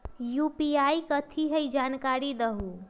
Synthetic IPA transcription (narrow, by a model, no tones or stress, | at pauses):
jupiajkət̪ʰiɦəjd͡ʒankaɾid̪əɦu